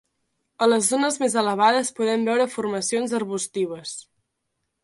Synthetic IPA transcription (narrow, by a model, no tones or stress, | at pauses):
ələzːonəzmezələβ̞aðəspuðɛmbɛwɾəfurməsionzərβust̪iβ̞əs